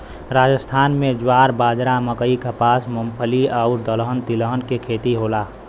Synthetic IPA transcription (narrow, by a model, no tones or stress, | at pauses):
ɾaːd͡ʒəst̪ʰaːnmẽd͡ʒwaːɾbaːd͡ʒɾaməkəikapaːsməmpʰəliaʊɾd̪ələɦənt̪iləɦənkekʰeːt̪iɦoːlaː